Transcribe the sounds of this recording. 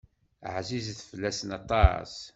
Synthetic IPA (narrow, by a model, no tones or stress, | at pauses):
ʕzizθfəlːæsənɑt̪ˤːɑ̰s